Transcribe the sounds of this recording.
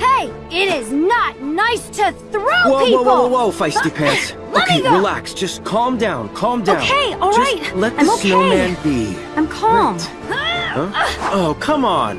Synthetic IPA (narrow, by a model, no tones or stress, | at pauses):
heɪ | ɪɾɪznətⁿnaɪstʰɨθɹowɛlˠwɛlwɛlwˠwɛlˠfaɪsdipʰæ̃ns | oʊkʰeɪɹilæ̰ksd̥ʒ̥ʌskʰɑlˠmdãʊ̃nkʰɑlˠmdoʊ̃ʊkeɪɔlˠɹʒʌast̚lɛt̪̚ð̃snoʊmæ̃nbḭ | ãɪ̃mkʰɑlˠm | ʌoʊkʰʌ̃mə̃n